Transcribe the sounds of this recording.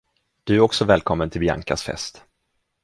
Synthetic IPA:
d̪̥ɵæɾɔksɔvɛːlkʰɔmːənt̪ʰɪlbja̰ŋkasfɛ̰st̪

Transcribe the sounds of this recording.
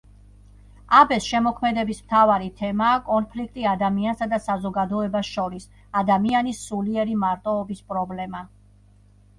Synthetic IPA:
abɛsʃɛmɔkʰmɛd̪ɛbismt̪ʰavaɾit̪ʰɛmaːkʼɔnpʰlikʰt̪ʼiad̪amiansad̪asazɔɡad̪ɔɛbasʃɔɾis | ad̪amianisuliɛɾimaɾt̪ʼɔːbispʼɾɔblɛma

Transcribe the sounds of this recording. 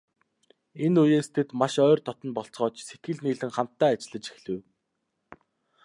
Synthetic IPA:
enujeːst̪ʰet̪maʃœːrt̪ʰɔt̪ɞ̆npɔɬt͡sʁɔːt͡ɕset̪̚ɡɘ̆ɮniːɮɘ̆ŋχam̥t̪ːæːat͡ɕɪ̆ɮə̆t͡ɕi̥xɮɘ̆w

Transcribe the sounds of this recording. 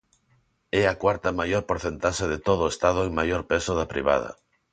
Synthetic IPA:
ɛɐkwaɾt̪ɐmajoɾpoɾθent̪aʃeðet̪oð̞oest̪að̞ʊeŋmajoɾpesʊðɐpɾḭβa̰ð̞ɐ̰

